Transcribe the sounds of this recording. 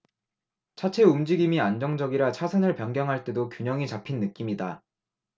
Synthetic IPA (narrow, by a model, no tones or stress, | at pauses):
t͡ɕʰat͡ɕʰe̞umd͡ʑiɡimiand͡ʑʌŋd͡ʑʌɡiɾat͡ɕʰasʰɯnɯɭpjʌŋɡjʌŋɦaɭt͈e̞dokjuɲʌŋit͡ɕapʰinːɯk͈imɲida